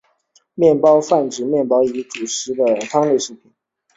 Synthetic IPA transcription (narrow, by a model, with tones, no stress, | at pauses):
mjɛ˥˩npɑ˥ʊfa˥˩nʈ͡ʂɻ̩˨˩mjɛ˥˩npɑ˥ʊi˧˥ʈ͡ʂu˨˩ʂɻ̩˧˥d̪ə˨t̪ʰɑ˥ŋle˥˧ɪʂɻ̩˥˩pʰi˨˩n